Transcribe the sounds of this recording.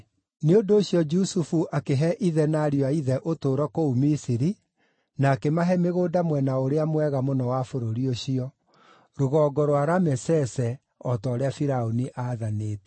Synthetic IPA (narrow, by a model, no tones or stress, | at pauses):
neondoːɕjɔd͡ʒusufuʔakeɦɛʔiðɛnaɾiwaiðɛʔotoːɾɔkoumisiɾi | naːkemaɦɛmeɣoːdamwɛnaoɾeamwɛɣamonɔwafoɾoɾioɕiɔ | ɾoɣɔːɡɔɾwaɾamɛsɛsɛ | ɔtɔːɾeafiɾaoniʔaðaneːtɛ̥